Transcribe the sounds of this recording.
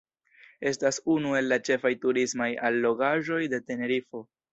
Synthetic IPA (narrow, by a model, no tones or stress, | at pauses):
e̞stasunue̞lːat͡ʃe̞fajtuɾismajalːo̞ɡaʒo̞jde̞te̞ne̞ɾifo̞